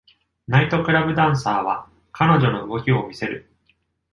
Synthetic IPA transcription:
nait̪o̞kɯ̟ɾabɯ̟d̪ãɰ̃saːβ̞a | kʰano̞ʑo̞no̞ɯ̟ɡo̞kʲio̞mʲise̞ɾɯ̟

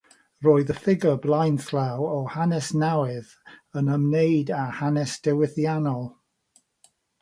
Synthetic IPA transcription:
roːɨðəfɪɡəblˠajnθlawɔhanɛsnawɪð | ənəmnejdahanɛsd̥ɛwɪθjanɔlˠ

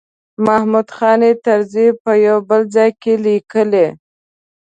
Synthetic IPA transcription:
mahmud̪xɑnet̪aɾzipəjawbəlzɑjkelikəle

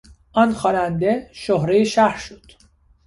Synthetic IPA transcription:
ʔɒːnxɒːnænd̪e̞ʃoɦɾejeʃæhɾʃod̪̥

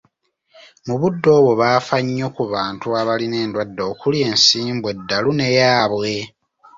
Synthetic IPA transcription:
muβudːo̞ːβwo̞βaːfaɲːo̞kuβaːntuaβaline̞ːndwadːo̞ːkulie̞ːnsiːmbwe̞dːalune̞jaːβwe̞

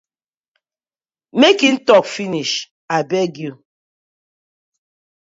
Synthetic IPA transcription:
mekin̩tɔkfiniʃ | abɛɡju

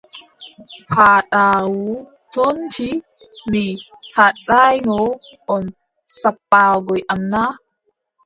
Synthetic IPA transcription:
pʰaːɗaːwu | tont͡ʃi | mi | haɗajnɔ | ʔɔn | sapːaːɡɔjʔamna

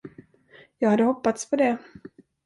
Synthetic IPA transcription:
jɑːɡhad̪ːəɦɔpːat̪spʰɔd̪ɛ

